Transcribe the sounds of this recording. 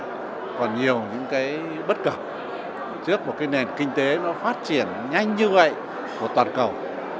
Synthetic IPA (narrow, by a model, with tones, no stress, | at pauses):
kɔ˨˩nɲi˨˩əwɲɨ̰˧˥ŋkaː˨˦j | ɓə˦˥t̚kə˧˩p̚ | t͡ɕɨ˦˥ək̚mo˨˩kaː˨˦jne˨˩nkï˧ŋ̟t̪e˨˦nɔ˨˦faː˦˥t̚t͡ɕi˧˩ən | ɲa˧jŋ̟ɲɨ˧və̰˧˨jʔ | ku˧˩ət̪waː˨˩nkə˨˩w